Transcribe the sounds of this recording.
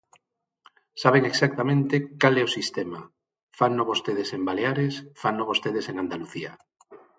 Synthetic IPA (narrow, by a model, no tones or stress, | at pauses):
saβ̞eŋeksak̚t̪amẽnt̪ekalɛosist̪ema | fannoβost̪eðesembaleaɾesfannoβost̪eð̞eseŋand̪aluθia̰